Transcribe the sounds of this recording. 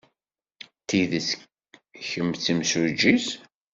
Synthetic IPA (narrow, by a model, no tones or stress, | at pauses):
t̪ːiðəs | çəmt͡sːimsʊd͡ʒis